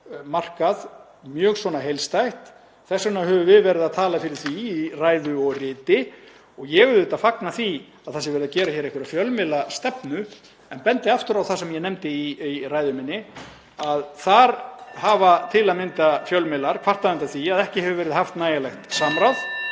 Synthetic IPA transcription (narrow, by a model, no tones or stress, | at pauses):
mar̥kað | mjœːɣsvɔːnaɦejlst̪ajxt̪ | θɛsːanaɦɛvʏvɪðvɛːɾɪðaðt̪ʰaːlafɪɾɪɾ̥θviiraːjðʏɔɣrɪːt̪ɪ | ɔɣjɛɣʏɾðɪt̪afaknaθi | aðθasɪvɛɾɪðacɛːɾaçɛɾehkvʏɾafjœlmɪlast̪ɛpnʏ | ɛnpɛnt̪ɪaft̪ʏɾawθasɛmjɛnɛmt̪ɪiiraːjðʏmɪnːɪ | aðθaɾhaːvat̪ʰɪlaðmɪnt̪afjœlmɪlaɾ̥kʰvar̥t̪aðmɪnt̪aθiaðɛhcɪhɛvʏvɛːɾɪðhaft̪naːjalɛxt̪saːmɾawð